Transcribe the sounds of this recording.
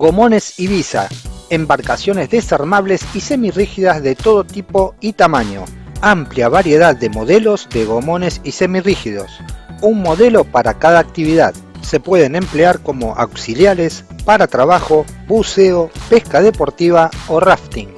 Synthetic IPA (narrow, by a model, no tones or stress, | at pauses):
ɡo̞mo̞ne̞siβisa̰embaɾkasjo̞nezðe̞saɾmaβle̞sise̞mirixiðazðet̪o̞ð̞o̞t̪ipo̞it̪amaɲo̞̰ | ampljaβaɾje̞ð̞aðːe̞mo̞ð̞elo̞zðeɣo̞mo̞ne̞sise̞mirixiðo̞̰suŋmo̞ðe̞lo̞paɾakað̞aːk̚t̪iβiða̰ðse̞pwe̞ðe̞ne̞mpleaɾko̞mo̞ʔa̰wsiljaɾe̞spaɾat̪ɾaβaxo̞βuseopeskað̞e̞po̞ɾt̪iβaoraft̪iŋ